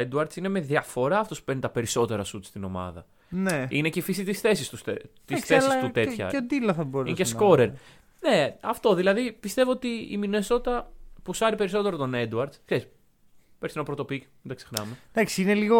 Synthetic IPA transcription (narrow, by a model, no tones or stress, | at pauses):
ed̪uɐɾd̪sine̞me̞ðiɐfo̞ɾɐɐft̪o̞spu̥pe̞ɾnit̪ɐpe̞ɾiso̞t̪e̞ɾɐsut̪st̪ino̞mɐ̰ðɐ̰ | neine̞ceifisit̪isθe̞sist̪ust̪isθsist̪ut̪e̞t̪çɐ̰ed̪ilɐθɐboɾinecesko̞ɾeɾ | ne̞ɐft̪o̞ðilɐðipist̪e̞voot̪iḭmine̞so̞t̪it̪ɐpusɐɾipe̞ɾiso̞t̪eɾo̞t̪o̞ned̪uɐɾd̪skseis | peɾsenɐpɾo̞t̪o̞pikmind̪ɐkse̞xnɐmed̪ɐksiineliɣo